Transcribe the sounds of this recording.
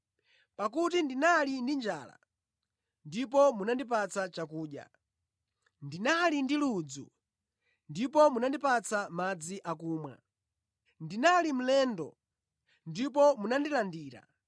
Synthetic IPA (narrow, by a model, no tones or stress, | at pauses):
pakutindinalindind͡ʒaːla̰ | ndipɔmunandipat͡sat͡ʃakuːɗja̰ | ndinalindilud͡zṵ | ndipɔmunandipat͡samad͡ziʔakuːmwa̰ | ndinalim̩lɛːndɔ̰ | ndip̬ɔmunandilandiːɾa̰